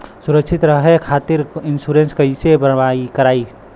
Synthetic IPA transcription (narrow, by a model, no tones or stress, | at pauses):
sʊɾəkʃʰɪt̪ɾəɦekʰaːt̪ɪɾɪnsuɾẽnskəɪsebəɾʋaikəɾaːi